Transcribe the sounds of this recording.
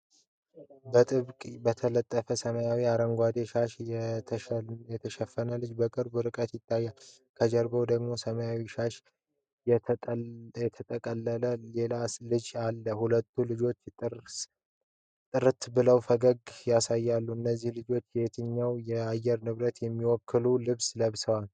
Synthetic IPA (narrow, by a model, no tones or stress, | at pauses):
bət̪ʼɨβkʼbət̪ʰələt̪ʼːəfəsəməjawiaɾəŋɡʷad̪eʃaʃɛt̪ʰjɛt̪ʰəʃɛfːənəlɨd͡ʒbəkʼɨɾbɨɾɨkʼət̪jɪt̪ʰːajːal | kʰəd͡ʒəɾbowd̪əɡmo̞səməjawiʃaʃ | jɛt̪ʰət̪ʼəkʼəlːələle̞lalɨd͡ʒalːəhulət̪ʰːulɨd͡ʒo̞t͡ʃ̪ːʼɾ | t̪ʼɨɾɨt̪bɨləwfəɡəɡjasajːalːuɨnːəzːihlɨd͡ʒo̞t͡ʃːjɛt̪ʰɨɲːawjɛajːɛɾnɨβɾət̪jɛmːiwɔkʰːɨlulɨβsləβsəwal